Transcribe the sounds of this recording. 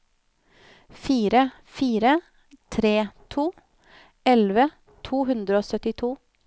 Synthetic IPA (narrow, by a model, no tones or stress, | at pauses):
fiːɾə | fiːɾə | t̪ʰɾeːt̪ʰuː | ɛlʋə | t̪ʰuːɦʉnd̪ɾəoːsœt̪ɪt̪ʰuː